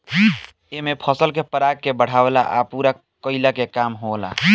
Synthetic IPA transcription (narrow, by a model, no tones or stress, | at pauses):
emepʰəsəlkepəɾaɡ̚kebəɽ̤aʋela̰ʔa̰puɾa | kəɪlakekamɦola̰